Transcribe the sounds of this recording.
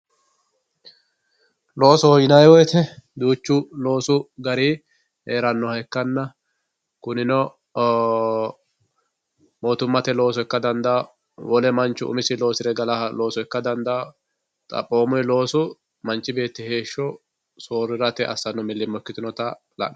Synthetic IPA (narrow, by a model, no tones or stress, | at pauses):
lo̞ːsɔjɪnɐjwɔjɛt̪ɛd̪uːt͡ʃːʊlo̞ːsʊɡɐɾi | heːɾɐnːɔhɛkːɐnːɐ | kʊnɪnɔ | moːt̪ʊmːɐt̪ɛlo̞ːs̬ɔkːɐd̪ɐnd̪ɐː | wɔlɛmɐnt͡ʃːʊʊ̰mɪsɪlo̞ːsɪɾɛɡɐlɐhɐlo̞ːsɔɪkːɐd̪ɐnd̪ɐ | t̪ʼɐ̰pʼːo̞ːmɔjlo̞ːsʊ | mɐnt͡ʃːɪbe̞ːt̪ːɪhe̞ːʃːɔ | soːɾːɪɾɐt̪ɛʔɐ̰sːɐnːɔmɪlːɪmːɔkːɪt̪ɪnɔt̪ɐ | lɐ̰ʔ